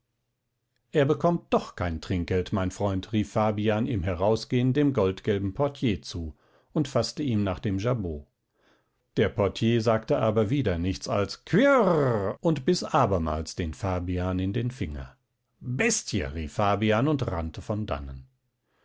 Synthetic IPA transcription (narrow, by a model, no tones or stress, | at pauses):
ʔeːɐbəkʰɔm̚d̥ɔχkʰaɪntʁ̥ɪŋk̚ɡ̥ɛltmaɪnfʁ̥ɔʏntʁiːfːaːbiaːnɪːmɦɛʁaʊsɡ̥eːəndeːmɡɔltɡ̥ɛlbm̩pʰɔɐtʰjeːt͡suː | ʊntfastəiːmnaːχd̥eːmʒaboː | d̥eːɐpʰɔɐtʰjeːzaːktəʔaːbɐviːdɐnɪçt͡sa̰lskʰv̥ɪʁʔʊntb̥ɪsʔaːbɐma̰ːlsd̥eːnfaːbiaːnɪndeːnfɪŋɐ̰ | bɛstçə̰ʁiːfːaːbiaːnʊntʁa̰ntʰəfɔnda̰nə̰n